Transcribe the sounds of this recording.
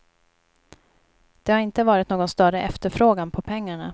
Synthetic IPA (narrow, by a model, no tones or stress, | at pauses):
d̪̥ɛhaɾɪnt̪əvɑːɾɪt̪noːɡɔnst̪œɾəʔɛft̪əɾfɾoːɡanpʰɔpʰɛŋːaɳa̰